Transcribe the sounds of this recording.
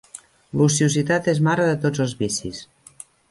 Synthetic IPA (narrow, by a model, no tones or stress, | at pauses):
lusiuzit̪at̪ezmaɾəðət̪od͡zəlˠzβisis